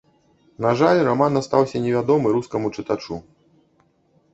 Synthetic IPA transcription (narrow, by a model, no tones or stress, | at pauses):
naʐalʲramanast̪awsʲɐnʲɛvʲad̪ɔmɨɾuskɐmut͡ʂɨt̪at͡ʂu